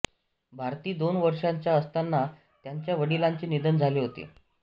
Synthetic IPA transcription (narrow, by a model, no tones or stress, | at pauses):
bʱaɾt̪iːd̪onʋəɾʂaɲt͡ɕjaəst̪anːa | t̪jaɲt͡ɕjaʋəɽilaɲt͡ɕiːnid̪ənd͡zʱaliːɦot̪ḛ